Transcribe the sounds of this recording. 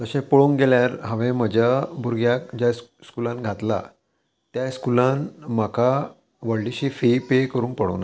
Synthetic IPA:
t̪əɕẽpəɭoːnɡeljaɾɦãʋẽməd͡ʑabʱuɾɡjakd͡ʑjaskulãnɡʱat̪la̰ | t̪jaskulãnmakʰa | ʋəɭɖiɕiːfipekəɾuːnpəɽo̰na

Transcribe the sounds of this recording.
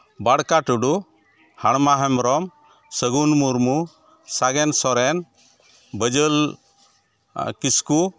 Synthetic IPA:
baɽkaʈuɖu | haɽmaɦɛmɾɔm | səɡunmuɾmu | saɡɛnsɔɾɛn | bəd͡ʒəl | kisku

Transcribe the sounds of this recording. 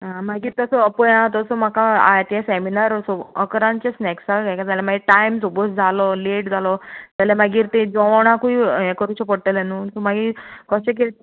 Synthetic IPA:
ɦãmaɡiːɾt̪ɔsɔəpɔjãt̪ɔsɔm̤akaa̰jt̪jɛ̃seminaɾsɔəkɾãɲt͡ɕesnɛksaɡajkad͡zalɛmaɡiːʈajmsobət̪d͡zʱalɔleʈd͡zʱalɔt̪alɛmaɡiːɾt̪ẽd͡zɔʋɽ̃akuiɛkəɾut͡ɕepəɽt̪elenuːsɔmaɡiːkɔɕek̬el

